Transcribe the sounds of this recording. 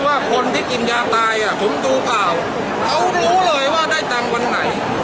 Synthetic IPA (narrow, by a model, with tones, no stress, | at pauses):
waː˥˩kʰo˧nt̪ʰiː˥˩ki˨˩njaː˧˩k̚t̪aː˧jʔa˨˩pʰo˩˦mduː˧plaː˨˩w | kʰa˦˥wɾuː˦˥lɤː˧jwaː˥˩daː˥˩jt̪a˧ŋwa˧nːa˩˦j